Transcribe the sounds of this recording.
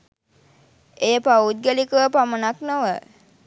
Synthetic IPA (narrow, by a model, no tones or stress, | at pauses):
ejəpaut̪̚ɡəlikəʋəpamənaknoʋə